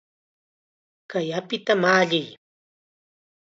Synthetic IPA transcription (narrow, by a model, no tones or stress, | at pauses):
kajapɪt̪amaːʎɪj